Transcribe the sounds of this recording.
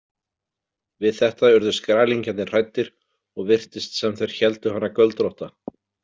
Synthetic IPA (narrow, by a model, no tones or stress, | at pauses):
vɪðθɛht̪aʏɾðʏskɾaːliɲcant̪nɪ̥r̥ajt̪ːɪɾ̥ | ɔɣvɪr̥t̪ɪst̪sɛmθejɾ̥çɛlt̪ʏɦanːakœlt̪ɾɔht̪a